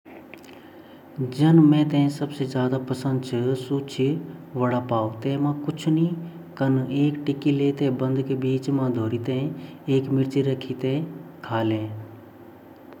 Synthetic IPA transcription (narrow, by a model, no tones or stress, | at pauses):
d͡ʒɐnmẽːt̪ɛ̃ːsɐbsed͡ʒjaːd̪apɐsə̃nd̪̚t͡ʃʰɨsuːt͡ʃʰiʋɐɽapaːot̪ɛ̃ːmãkʊt͡ʃʰni | kəneːkʈɪkileːt̪ẽːbə̃nd̪ʱkebiːt͡ʃmãːd̪ʱoːɾit̪ẽeːkmɪɾt͡ʃiɾɐkʰit̪ẽkʰaːlẽː